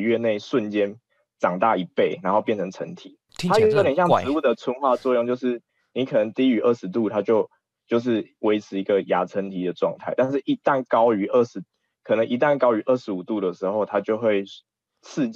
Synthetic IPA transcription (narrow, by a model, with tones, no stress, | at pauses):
ɥɛ˥˧ne˥˩ɪʂwə˥˨nt͡ɕjɛ˥n | ʈ͡ʂɑ˨˩ŋt̪a˥˩i˧˥pe˥˩ɪna˧˥nxo˥˧pjɛ˥˩nt͡sʰə˧˥ŋt͡sʰə̰˧˥nt̪ʰi˨˩˦ | t̪ʰa˥jo˧˥i˧˥˨ljɕjɑ˥˩ŋɻ̩˧˦u˥˩d̪ə˩t͡sʰə˥nxwa˥˧d̪ə˩t͡swɔ˥˧jo˥˧ŋt͡ɕjo˥˧ʊʂɻ̩˥˩ | ni˨˦˥kʰɤ˨˩nə˧˦ŋt̪i˦˥y˧˥ʔə˥˩ʂɻ̩˧˥t̪̬u˥˨˩t̪ʰa˥t͡ɕjo˥˧ʊ | t͡ɕjo˥˧ʊʂ̬ɻ̩˥˩we˧˥ɪt͡sʰɻ̩˧˥i˧˥ɡə˨ja˧˥t͡sʰə˧˥nt̪ʰi˧˥d̪ə˩ʈ͡ʂwɑ˥˧ŋt̪ʰa˥ɪt̪a˥˧nʂ̬ɻ̩˥˩ʔi˧˥t̪a˥˩nkɑ˥ʊy˧˥ʔə˥˩ʂɻ̩˧˥ | kʰɤ˨˩ə˨˦ŋʔi˧˥t̪a˥˩˨nkɑ˥ʊy˧˥ʔə˥˩ʂɻ̩˧˥u˨˩t̪u˥˩d̪ə˩ʂɻ̩˧˦xo˥˧ʊt̪ʰa˥t͡ɕjo˥˧ʊxwe˥˧ɪ | t͡sʰɹ̩˥˧